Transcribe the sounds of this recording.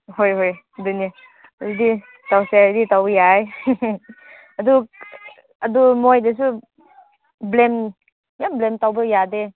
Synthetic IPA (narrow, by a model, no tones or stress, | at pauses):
hojɦoj | dunja | ɾidi | tawseditawbjaj | ɐdu | adumojdes̬u | blem | jamblemtawbəjade